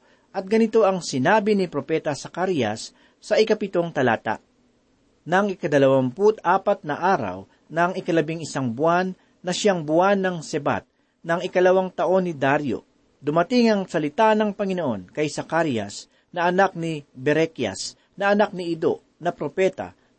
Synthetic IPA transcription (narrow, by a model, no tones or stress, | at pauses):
ʔɐt̪̚ɡɐnɪt̪o̞ʔɐŋsɪnaːbɪnipɾo̞pɛt̪ɐsɐkaɾjɐ̰sː | ɐʔɪkɐpɪt̪o̞ŋt̪ɐlaːt̪a̰ʔ | nɐŋɪkɐd̪ɐlɐwamput̪aːpɐt̪̚nɐʔaːɾɐ̰w | nɐŋɪkɐlɐbiŋɪsaŋbʊanː | ɐʃaŋbʊanːɐŋsɛba̰t̪̚ | nɐŋɪkɐlɐwaŋt̪ɐʔo̞nːɪd̪aɾjo̰ | d̪ʊmɐt̪ɪŋɐŋsɐlɪt̪anɐŋpɐŋɪno̞ʔo̞nkɐjsɐkaɾjɐ̰s | nɐʔɐnak̚nibɛɾɛkjɐ̰s | nɐʔɐnak̚nɪʔid̪o | nɐpɾopɛt̪ɐ̰